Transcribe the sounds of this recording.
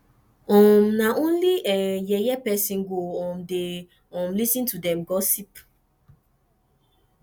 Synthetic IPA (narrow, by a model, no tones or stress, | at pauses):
ɔ̃mnaʔõnliʔɛjɛjɛpɛsĩnɡoɔ̃mde | ɔ̃mlisĩntudɛ̃mɡɔsip